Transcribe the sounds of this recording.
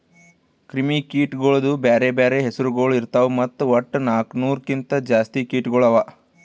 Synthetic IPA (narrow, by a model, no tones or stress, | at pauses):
kɾimikiːʈɡoɭɐd̪ubeːɾebeːɾeɦesiɾuɡoːɭiɾt̪aʋumɐt̪ːuɐʈːnaːknuːɾkint̪ɐd͡ʒaːst̪ikiːʈɡɔɭɐʋa